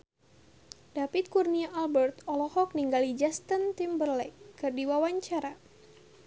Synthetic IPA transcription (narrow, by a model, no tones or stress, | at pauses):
dapit̪̚kurniaʔːlbərt̪ɔlɔhɔk̚niŋɡalid͡ʒast̪ənt̪imbərlɛkkɨrdiwawaɲt͡ʃaɾa